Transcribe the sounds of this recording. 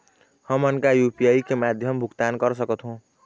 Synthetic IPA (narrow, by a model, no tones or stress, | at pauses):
həmənkajupiaikemad̪ʱjʌmbʱukt̪ankʌɾsʌkət̪ʰɦũ